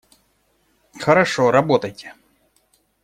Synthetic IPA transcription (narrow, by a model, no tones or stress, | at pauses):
xɐɾɐʂɔɾɐbɔt̪ɐjt̪ʲɛ̥